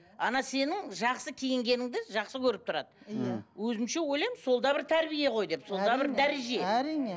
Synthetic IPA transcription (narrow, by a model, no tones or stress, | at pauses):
ɑnɑse̞nɪŋʒɑqsəkʲʰe̞jɪŋɡʲe̞nɪŋd̪ɪʒɑqsəkʲʰɵɾɪp̚t̪ʰʊɾɑ̰d̪əwɵzɪmʃe̞wojlˠɑjmso̞lˠd̪ɑbɪɾt̪ʰæɾbije̞qʰo̞jd̪e̞psolˠd̪ɑbɪɾd̪æɾeʒe̞æɾine